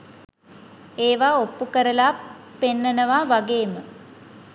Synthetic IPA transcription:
eːʋaːopːukəɾəlaː | penːənəʋaːʋaɡeːmə

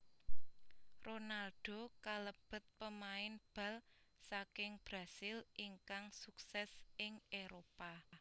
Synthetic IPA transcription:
ronalɖ̥o̤kaləb̥ə̤t̪̚pəmaɪnb̥ä̤l | sakɪŋb̥ɾa̤sɪlʔiŋkaŋsuksɛsɪŋeɾopa

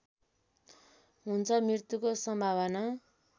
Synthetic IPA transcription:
ɦunt͡sʰʌmirt̪ukosʌmbʱaβʌna

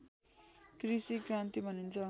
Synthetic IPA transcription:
krisikrant̪ibʱʌnint͡sʰʌ

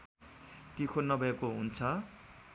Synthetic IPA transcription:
t̪ikʰonːʌbʱʌekoɦunt͡sʰʌ

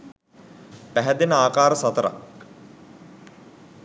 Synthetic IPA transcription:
pæɦæd̪enəaːkaːɾəsat̪əɾa̰

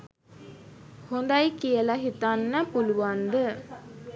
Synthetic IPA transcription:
hond̪ajkijəlaɦit̪anːəpuluʋand̪ə

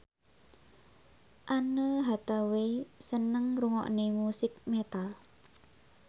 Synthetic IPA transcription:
ʔanəɦat̪awesənəŋruŋɔ̰ʔnemusɪk̚met̪al

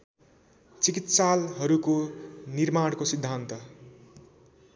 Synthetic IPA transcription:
t͡sikit̪salɦʌɾukonirmaɽkosid̪ʱːant̪ʌ

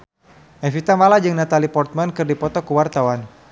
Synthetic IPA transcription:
ʔɛfit̪amalad͡ʒɨŋnat̪alipɔrt̪̚mankɨrdipɔt̪ɔkəwart̪awan

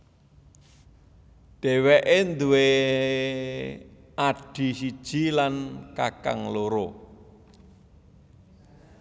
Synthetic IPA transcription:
ɖ̪̥e̤weʔend̪uwe | aɖ̥i̤sid̥ʒ̥i̤lankaka̰ŋloɾo

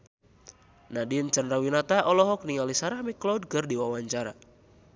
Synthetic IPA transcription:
nadint͡ʃanrawinat̪aʔɔlɔɦɔk̚niŋalisaɾahmiklowd̚kərdiwawaɲt͡ʃaɾa̰

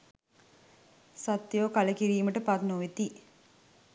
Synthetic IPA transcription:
sat̪joːkaləkiɾiːməʈəpat̪noʋet̪i

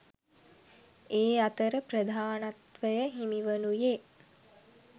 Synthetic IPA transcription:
eːat̪əɾəprəd̪ʱaːnat̪ʋəjəɦimiʋənuje

